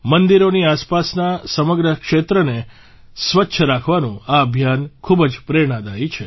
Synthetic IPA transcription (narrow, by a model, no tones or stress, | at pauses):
mənd̪iɾoniaspasnasəməɡɾəkʂet̪ɾəne | sʋətːʃʰəɾakʰʋanũaəbʱjankʰubəd͡ʒpɾeɳ̃ad̪ait͡ʃʰe